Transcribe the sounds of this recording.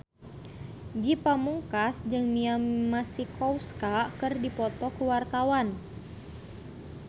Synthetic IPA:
d͡ʒipamuŋkasd͡ʒɨŋmiammasikʰɔwskakɨrdipɔt̪ɔkuwart̪awan

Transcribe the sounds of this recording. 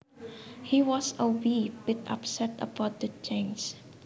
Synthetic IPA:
hiwɔsəwipɪta̰psɛtə̰baʊt̚d̪ət͡ʃẽns

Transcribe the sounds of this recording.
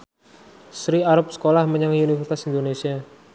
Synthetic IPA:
sɾiaɾʊp̚sə̥kolahməɲaŋiunifəst̪asind̪onesia

